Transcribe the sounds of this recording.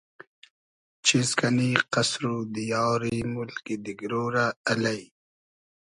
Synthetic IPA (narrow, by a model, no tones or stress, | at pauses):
t͡ʃʰizkaniqasɾud̪ijɑːɾimʊlkid̪iɡɾoːɾaːlaj